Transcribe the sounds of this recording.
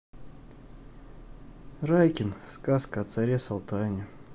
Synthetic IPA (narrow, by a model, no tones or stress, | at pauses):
rajkʲɪnskaskɐːt̪saɾʲesɐlˠt̪anʲɪ